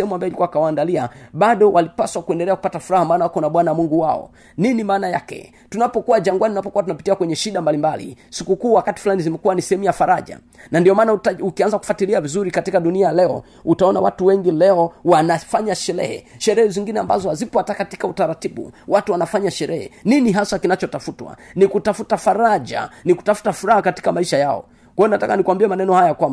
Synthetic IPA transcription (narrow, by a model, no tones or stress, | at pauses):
hɛmuambajɔilikuwakawaːndaliaɓaɗɔwʔalipaswakuɛndɛlɛakupatafuɾahamaːnawakɔnaɓwanawamuŋɡuwaɔ̰ | ninimaːnaja̰kɛ̰ | tunapɔkuwaʄaŋɡwaniunapɔkuwat̬unapitiakwɛɲɛʃiɗambalimbalḭsikukuːwakati̥fulanizimɛkuwanisɛhɛmujafaɾaʄa̰ | nandiɔmaːnaukianzaku̥fatiliavizuɾikatikaɗunialɛɔ̰ | utaɔna̰wa̰tuwɛŋɡilɛɔwanafaɲaʃɛɾɛ̰hɛ̰ʃɛɾɛhɛziŋɡinɛamba̰zɔhazipɔatakati̥kautaɾatiɓṵwatuwanafaɲaʃɛɾɛhɛ̰niniɦasakinat͡ʃɔtafutwa̰nikutafutafaɾaʄa̰niku̥tafu̥tafuɾahakati̥kamaiʃajaɔ̰ | kwajɔnatakanikuwambiɛmanɛnɔhajakwamba